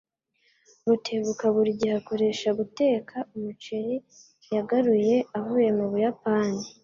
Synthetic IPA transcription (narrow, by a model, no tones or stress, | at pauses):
βutʰeβukaβuɾiɟihakoɾe̞ʃaɡute̞ːkʰaumut͡ʃeɾi | jaɡaɾuje̞aβuβemoβujapaːni